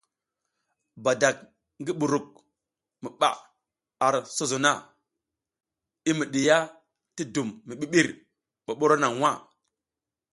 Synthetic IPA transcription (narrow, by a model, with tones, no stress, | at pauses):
ba˨da˨k̚ | ŋɡi˦ɓu˨ɾu˨k̚ | mi˨ɓa̰˨ | a˨ɾso˦zo˨na˦ | i˦mi˨ɗi˨ja˦ | ti˦du˨mːi˨ɓi˦ɓi˦ɾ | ɓo˨ɓo˦ɾo˦na˨ŋwa˦˨